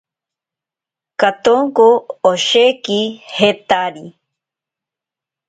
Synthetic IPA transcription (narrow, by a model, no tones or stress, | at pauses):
kat̪oŋkoːʃekihet̪aɾi